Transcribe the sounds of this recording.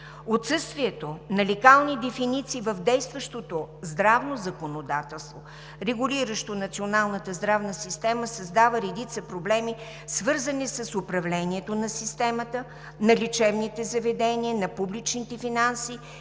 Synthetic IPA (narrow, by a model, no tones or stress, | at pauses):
ot̪sɤst̪viɛt̪onɐlʲɛkalˠnid̪ɛfinit̪siːvəvd̪ɛjst̪vəʃt̪ot̪ozd̪ɾavnozɐkonod̪at̪ɛlˠst̪vo | ɾɛɡuliɾəʃt̪onɐt̪sionalˠnət̪əzd̪ɾavnəsist̪ɛməsɐzd̪avəɾɛd̪it̪səpɾoblɛmi | svɤɾzənisəsʊpɾɐvlɛniɛt̪onɐsist̪ɛmət̪ə | nɐlʲit͡ʃɛvnit̪ɛzɐvɛd̪ɛniənɐpublit͡ʃnit̪ɛfinansiː